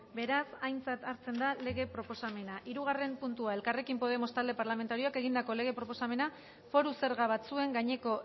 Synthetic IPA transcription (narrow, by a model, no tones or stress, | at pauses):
be̞ɾasajnt͡sat̪aɾt͡se̞nd̪ale̞ɣ̞e̞pɾo̞po̞same̞naʔiɾuɣ̞are̞mpunt̪uae̞lkare̞kimpo̞ð̞e̞most̪ald̪e̞paɾlame̞nt̪aɾio̞ake̞ɣind̪ako̞le̞ɣ̞e̞pɾo̞po̞same̞na | fo̞ɾuse̞ɾɣaβat͡sue̞ŋɡaɲe̞ko̞